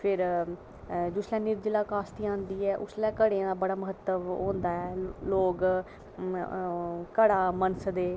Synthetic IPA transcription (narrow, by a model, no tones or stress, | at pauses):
pʰɪɾ | d͡ʒʊːslɛ̃ːnɪɾd͡ʒɪlaːkaːst̪iːãːnd̪iːɛːʔʊslɛ̃ːkəɽeãːd̪aːbəɽaːməɦət̪ːəʋɦõːnd̪aːɛːloːɡ | kəɽaːmənsəd̪eː